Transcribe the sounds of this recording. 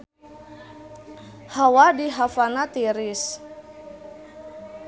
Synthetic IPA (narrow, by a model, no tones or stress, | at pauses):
hawadiɦafanat̪iɾɪs